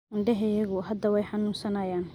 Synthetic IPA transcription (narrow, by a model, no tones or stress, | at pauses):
ɪɳɖɛɦɛjɐɣʊɦɐd̪ɐwɛjħɑnuːnsɐnɐjaːn